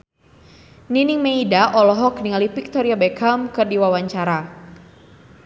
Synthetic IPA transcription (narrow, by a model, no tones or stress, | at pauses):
ninɪŋmeidaʔɔlɔɦɔk̚niŋalifik̚t̪ɔɾiabekʰamkɨrdiwawaɲt͡ʃaɾa